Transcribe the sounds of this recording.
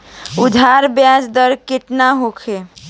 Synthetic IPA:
ʊd̪ʱaɾbjad͡ʒd̪əɾkɪʈnaɦokʰe

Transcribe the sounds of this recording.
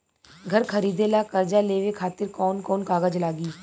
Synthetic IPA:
ɡʱəɾkʰəɾiːd̪elaːkəɾd͡ʒaleːʋekʰaːt̪ɪɾkɔːnkɔːnkaːɡəd͡ʒlaːɡiː

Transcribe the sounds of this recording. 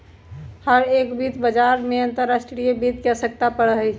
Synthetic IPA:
həɾeːkbiːt̪bəd͡ʒaɾmẽə̃nt̪əɾːasʈɾijəbiːt̪̚kɛsək̚t̪apəɽəɦi

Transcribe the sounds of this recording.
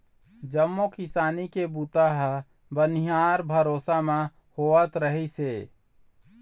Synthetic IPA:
d͡ʒəmːokisanikebut̪aɦ | bənijaɾbʱəɾosame | hoət̪ɾəɦise

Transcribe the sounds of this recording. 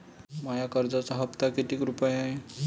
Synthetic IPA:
majakəɾd͡zat͡saɦəpt̪akit̪iːkɾupajae

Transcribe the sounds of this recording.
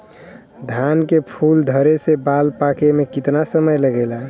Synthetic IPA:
d̪ʱankepʰuld̪ʱəɾesebalpakemekit̪nasəməjləɡɛla

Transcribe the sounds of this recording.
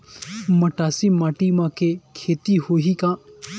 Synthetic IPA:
mɐʈaːsimaːʈimãːkʰekʰeːt̪ihoːɦikãː

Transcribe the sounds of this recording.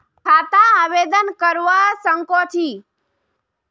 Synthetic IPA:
kʰat̪ãaʋed̪ənkəɾʋasəŋkot̪ʰi

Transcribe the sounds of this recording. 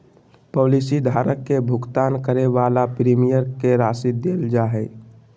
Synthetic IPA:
poːlisid̪ʱaːɾəkːebʱʊɡt̪aːnkəɾeʋaːlapɾiːmijəɾkeɾaːsid̪eːld͡ʒaːɦɛː

